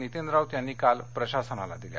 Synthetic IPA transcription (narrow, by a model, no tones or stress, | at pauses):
nit̪end̪ɾawt̪janːiːkalpɾəɕasənala̰d̪ilja̰